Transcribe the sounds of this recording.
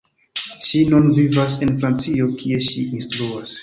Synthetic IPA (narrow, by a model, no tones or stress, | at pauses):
ʃinunvivas̬e̞nfɾant͡sio̞kʰie̞ʃiinstɾuas